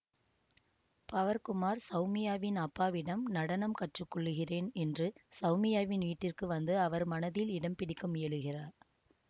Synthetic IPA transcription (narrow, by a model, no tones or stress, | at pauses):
pɐʋɐɾkʊmaːɾsɐʊmɪjaːʋɪnɐpːaːʋɪɽɐmnɐɽɐnɐmkɐʈrɯkːɔɭːɯɣɪreːnɛndrɯsɐʊmɪjaːʋɪnʋiːʈːɪrkɯʋɐnd̪ɯɐʋɐɾmɐnɐðɪlɪɽɐmpɪɽɪkːɯmɪjɐɭɯɣɪraːɾ